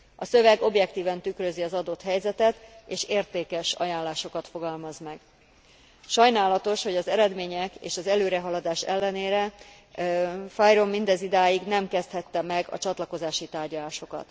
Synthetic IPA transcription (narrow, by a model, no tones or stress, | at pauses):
ʔɒsø̞vɛɡo̞bjɛk̚t̪iːvɛnt̪ykrø̞ziɒzɒd̪o̞t̪hɛjzɛt̪ɛt̪eːʃeːrt̪eːkɛʃɒ̰jaːnlaːʃo̞kɒt̪fo̞ɡɒlmɒzmɛɡ | ʃɒjnaːlɒt̪o̞ʃho̞ɟɒzɛɾɛd̪meːɲɛkḛːʃɒzɛløːɾɛɦɒlɒd̪aːʃɛ̰lːɛneːɾɛ | fajromːind̪ɛzid̪aːjiɡnɛmkɛst̪hɛt̪ːɛmɛɡɒ̰t͡ʃɒt̪lɒko̞zaːʃit̪aːrɟɒlaːʃo̞kɒ̰t̪